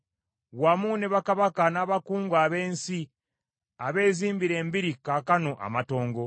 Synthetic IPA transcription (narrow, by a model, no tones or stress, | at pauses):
wamuneβakaβakanaβakuːŋɡwaːβe̞ːnsi | aβe̞ːziːmbiɾe̞ːmbiɾikakano̞ʔa̰mato̞ːŋɡo̞